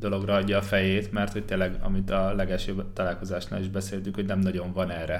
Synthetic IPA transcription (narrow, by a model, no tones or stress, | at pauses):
d̪o̞lo̞ɡrɒɒɟːɒːfɛjeːt̪mɛrt̪ho̞c̚t̪eːnlːɛɡɒ̰mit̪ɒlɛɡɛʃøbt̪ɒlaːlko̞zaːʃna̰ːliʒbɛseːlt̪yŋkhonɛmnɒɟo̞ɱvɒnɛːrɛ